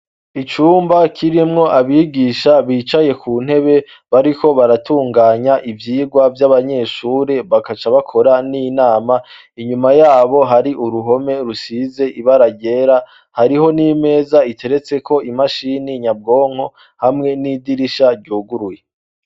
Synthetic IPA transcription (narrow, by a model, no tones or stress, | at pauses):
it͡ʃuːmbakʰiɾimŋo̞ʔaβiːɡiːʃaβiːt͡ʃaje̞kʰuːn̥he̞βe̞ | βaɾiko̞βaɾatuːŋɡaːɲaʔivjiːɡwavjaβaɲe̞ːʃuːɾe̞βakat͡ʃaβakʰo̞ɾanijnaːma | iɲumajaːβo̞ɦaɾiʔuɾuɦo̞me̞ɾusize̞ʔiβaɾaɟe̞ːɾa | haɾiɦo̞nime̞ːzaitʰe̞ɾe̞t͡se̞kʰo̞ʔimaʃiːniɲab̚ɡo̞ːŋ̥ho̞ | hamŋe̞nidiɾiʃaɾɟuːɡuɾuje̞